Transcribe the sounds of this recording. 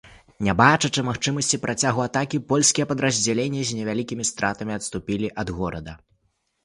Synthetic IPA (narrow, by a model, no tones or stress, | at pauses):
nʲabat͡ʂɐt͡ʂɨmaxt͡ʂɨmɐsʲt͡sʲipɾʔat͡sʲaɣuat̪akʲipɔlʲsʲkʲijɛpɐd̪ɾɐzʲd͡zʲalʲenʲːɐzʲnʲɛvʲalʲikʲimʲist̪ɾat̪ɐmʲiɐt̪st̪upʲilʲiʔɐd̪ɣɔɾɐd̪ɐ